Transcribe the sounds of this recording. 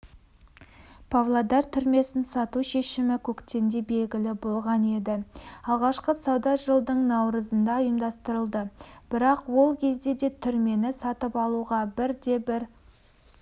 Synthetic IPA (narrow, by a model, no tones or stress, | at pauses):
pʰavlˠad̪ɑɾt̪ʰʏɾme̞sɪnsɑt̪uʃe̞ʃɪmɪkʲʰɵkt̪e̞nd̪e̞be̞lɡʲɪlɪbo̞lˠʁɑne̞d̪ɪɑlˠʁɑʃqəsɑwd̪ɑʒəlˠd̪əɴnɑwɾəzənd̪ɑjəmd̪ɑst̪əɾəlˠd̪əb̥ɪɾɑqwo̞lˠkʲʰe̞zd̪e̞d̪e̞t̪ʰʏɾme̞nɪsɑt̪əpɑlˠuʁɑbɪɾd̪e̞bɪɾ